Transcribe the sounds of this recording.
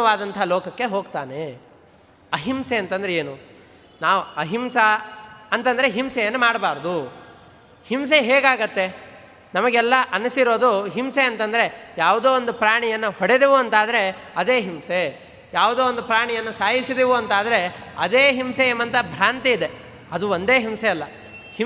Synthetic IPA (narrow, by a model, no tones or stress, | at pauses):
ɐʋaːd̪ɐnt̪ʰɐɐloːkɐkːe̞ɦoːɡt̪aːne̞ | ɐɦimseɐnt̪ɐnd̪ɐɾeeːnu | naːʋuɐɦimsɐɐnt̪ɐnd̪ɾeɦimsɛjɐnːumaːɽbaːɾɐd̪u | hims̬eɦeːɡaːɡɐt̪ːe̞ | nɐmɐɡɛlːɐʔɐnusiɾo̞ːd̪uɦimseɐnt̪ɐnd̪ɐɾe̞jaːʋud̪oːond̪upɾaːɳijɐnːuhoɽed̪eʋuɐnt̪aːd̪ɐɾe̞ɐd̪e̞ːɦimse | jaːʋud̪oːond̪upɾaːɳijɐnːusaːjisid̪iʋuɐnt̪aːd̪ɐɾe̞ɐd̪e̞ːɦimseeːmɐnt̪ɐbʱɾaːnt̪iːd̪e | ɐd̪uond̪e̞ːɦimseɐlːɐ | hi